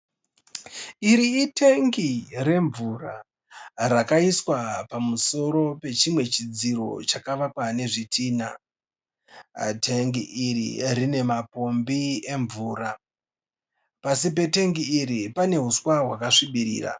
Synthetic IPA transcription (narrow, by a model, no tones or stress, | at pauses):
iɾiːteŋɡire̞ɱvura | rakaiswapamuso̞ɾo̞pe̞t͡ʃimwe̞t͡ʃid͡ziɾo̞̰t͡ʃakaʋakwane̞ʐitʰiːna̰ | tʰeŋɡiʔːrḭrine̞mapo̞mbie̞ɱvuːɾa | pasip̬e̞te̞ŋɡiːɾipane̞ɦuswaɦwakaʂiɓiɾḭːra̰